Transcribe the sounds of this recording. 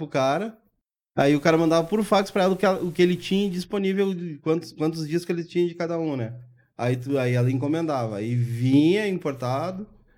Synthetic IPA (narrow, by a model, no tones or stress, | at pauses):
pʊkaɾɐ | a̰iʊkaɾɐmɐ̃nd̪avɐpuɾʊfakspɾɐɛlɐʊkɪɛlɐʊkɪelɪt͡ʃĩɲɐd͡ʒisponivewkwɐ̃nt̪ʊ̥skwɐ̃nt̪̬ʊzd͡ʒiɐsʊ̥kelɪt͡ʃĩɲɐ̃d͡ʒɪkad̪ɐũnɛ | a̰it̪aiɛlɐĩk̬õmẽnd̪avɐa̰ivĩɲɐĩpoɾt̪ad̪ʊ